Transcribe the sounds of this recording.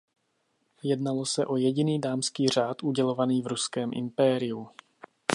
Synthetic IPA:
jɛdnalo̞sɛʔo̞jɛɟɪniːdaːmskiːr̝aːt̪ʔuɟɛlo̞vaniːvɾuskɛːmʔɪ̰mpɛːɾɪju

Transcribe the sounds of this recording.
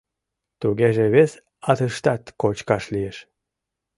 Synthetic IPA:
t̪uɣeʒeβes | ɑt̪əʃt̪ɑt̪kot͡ɕkɑʃlijeʃ

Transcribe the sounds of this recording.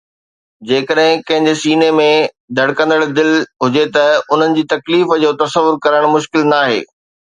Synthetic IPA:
d͡ʑeːkəɗɦɪ̃kɐ̃ɦɪ̃ɲd͡ʑesiːnemẽ | d̪ʱɐɽ̤kə̃nd̪əɽd̪ɪlɦʊd͡ʑet̪ɐʊn̤ənɪ̆d͡ʑiːt̪ɐkliːfd͡ʑoːt̪ɐsəʋʊɾkɐɾəɽ̃mʊʃkɪlnaːɦḛː

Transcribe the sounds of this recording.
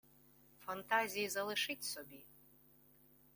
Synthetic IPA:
fant̪ʰazʲijizalˠɨʂɨtʲʰsobʲi

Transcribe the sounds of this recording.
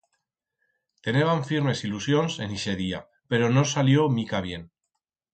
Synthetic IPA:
t̪eneβaɱfiɾme̞silusjonse̞niʃe̞ðia | pe̞ɾo̞nosaljomikaβ̞je̞n

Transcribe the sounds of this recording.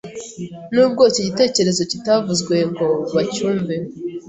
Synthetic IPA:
nuːb̚ɡo̞ːseɟite̞ːce̞ɾe̞zo̞citavuzɡwe̞ŋɡo̞βacuːɱve

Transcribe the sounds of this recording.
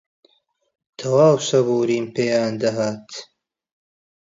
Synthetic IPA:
t̪ʰɐwaːwsɐβuːɾiːmpeːjaːnd̪ɐɦaːt̪

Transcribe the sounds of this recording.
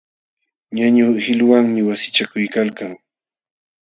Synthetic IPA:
ɲaɲʊhɪlwaŋmɪwasɪ̥t͡ʃakʊjkalkaŋ

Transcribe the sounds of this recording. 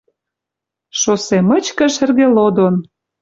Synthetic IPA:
ʃosemə̆t͡ɕkə̆ʃə̆rɣelod̪on

